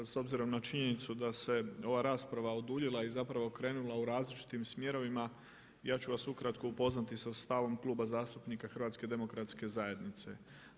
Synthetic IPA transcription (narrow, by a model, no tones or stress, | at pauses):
so̞bziɾo̞mnat͡ʃiɲe̞nit̪sud̪ase̞o̞ʋaːɾaːspɾaʋaod̪uːʎilˠaizapɾaʋo̞kɾe̞ːnulˠauɾaːzlit͡ʃi̥t̪imsmje̞ɾo̞ʋima | jaːt͡ʃuʋasukɾat̪koupo̞znat̪isast̪aʋo̞mkluːbazaːst̪upnikaxr̩ʋaːt̪ske̞d̪e̞mo̞kɾat̪ske̞zaje̞d̪nit̪se̞̰